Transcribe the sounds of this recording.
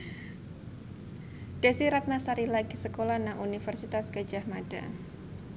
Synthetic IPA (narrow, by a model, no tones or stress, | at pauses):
d̥esiɾat̪̚nasaɾilaɡisəkolanaŋʔunifərsit̪asɡəd͡ʒahmada̰